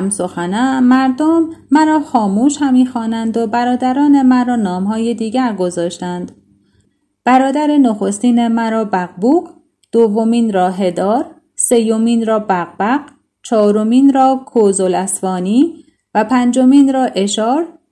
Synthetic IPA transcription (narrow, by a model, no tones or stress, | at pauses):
mso̞xænæmæɾd̪omːæɾɒːxɒːmuːʃhæmiːxɒːnænd̪obæɾɒːd̪æɾɒːne̞mænɾɒːnɒːmɦɒːjed̪iːɟæɾɡozɒːʃt̪ænd̪̥ | b̥æɾɒːd̪æɾenoxo̞st̪iːnemæɾɒːbæɣbuːɡ | d̪̥ovːo̞miːnɾɒːɦe̞d̪ɒːɾ | se̞jːomiːnɾɒːbæɣbæɢ | t͡ʃʰɒːɾomiːnɾɒːkʰozolæsfɒːniː | væpʰænd͡ʒo̞miːnɾɒːʔe̞ʃɒːɾ